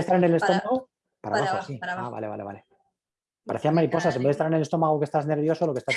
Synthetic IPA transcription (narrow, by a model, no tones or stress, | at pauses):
t̪aɾenele̞st̪o̞maɣo | paɾa̰maθesia̰βa̰le̞βale̞βa̰le | paɾeθiamaɾipo̞sasembeðst̪aɾenele̞st̪o̞maɣ̞oke̞st̪azne̞ɾβ̞jo̞soloke̞st̪a